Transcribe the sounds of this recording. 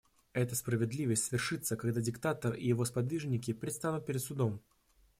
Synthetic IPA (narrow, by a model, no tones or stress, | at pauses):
ɛt̪əspɾəvʲɪd̪lʲivəsʲtʲsvʲɪrʂɨt̪səkɐɡd̪adʲɪkt̪at̪ərɪ̰jɪvo̞spɐd̪vʲiʐnʲɪkʲɪpɾʲɪt̪st̪anʊt̪̚pʲɪɾʲɪd̪t̪sʊd̪o̞m